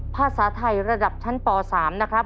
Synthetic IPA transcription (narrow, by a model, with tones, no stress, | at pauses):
pʰaː˧˩saː˩˦t̪ʰa˧jɾa˧da˨˩p̚t͡ɕʰa˦˥nt̪ɔː˨˩saː˩˦mna˦˥kʰɾa˦˥p̚